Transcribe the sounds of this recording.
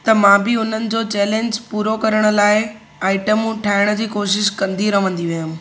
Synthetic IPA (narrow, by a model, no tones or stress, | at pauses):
t̪ɐmãbɪʊn̤ənɪ̆d͡ʑoːt͡ɕɛːlẽːɲd͡ʑpuːɾokɐɾəɽ̃ʊ̆laːɪ | aːɪʈəmũʈʰaːɦɪɽ̃ə̆d͡ʑiːkoːʃɪʃkɐ̃nd̪ʱiɾɐʋə̃nd̪iʋijʊm̆